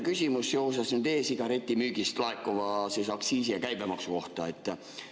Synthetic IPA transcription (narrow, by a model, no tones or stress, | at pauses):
kysʲimusjowsɑsnyd̪e̞ːsiɡ̥ɑɾe̞t̪ʲːimyːɡ̥ist̪lɑekːˑovɑsesɑksiːsijɑkæjbemɑksuko̞ht̪ɑe̞t̪ːˑ